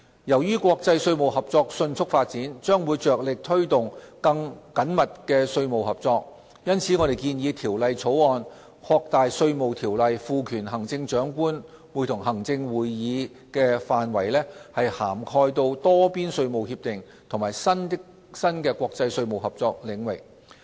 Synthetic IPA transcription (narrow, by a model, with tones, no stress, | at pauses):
jɐ˨˩wjyː˥kʷɔː˧k̚t͡sɐ˧jsɵ˧ɥmo˨whɐ˨p̚t͡sɔː˧k̚sɵ˧nt͡sʰʊ˥k̚faː˧t̚t͡siː˨˥nt͡ʃœː˥ŋwuː˨˧jt͡ʃœː˨k̚lɪ˨k̚t̪ʰɵ˥ɥt̪ʊ˨ŋkɐ˧ŋkɐ˨˥nmɐ˨t̚kɛː˧sɵ˧ɥmo˨whɐ˨p̚t͡sɔː˧k̚ | jɐ˥nt͡sʰiː˨˥ŋɔ˨˧ɾe˨˩jkiː˧njiː˨˧t̪ʰiː˨˩wlɐ˨jt͡sʰo˨˥wɔː˨˧n | kʰɔː˧k̚t̪aː˨jsɵ˧ɥmo˨wt̪ʰiː˨˩wlɐ˨jfuː˨˧kʰyː˨˩nɦɐ˨˩ŋt͡sɪ˧ŋt͡ʃœː˨˥ŋkuː˥n | wu˨˩jt̪ʰʊ˨˩ŋɦɐ˨˩ŋt͡sɪ˧ŋwuː˨jːiː˨˧˥ | kɛː˧faː˨nwɐ˨˩jlɛː˥hɐ˨jhaː˨˩mkʰɔː˧jt̪o˧wt̪ɔː˥piː˥nsɵ˧ɥmo˨whiː˧p̚t̪ɪ˨ŋ | t̪ʰʊ˨˩ŋmaː˨˩jsɐ˥nɪ | sɐ˥nkɛː˧kwɔː˧k̚t͡sɐ˧jsɵ˧ɥmo˨wɦɐ˨p̚t͡sɔː˧k̚lɪ˨˧ŋwɪ̰˨˩k̚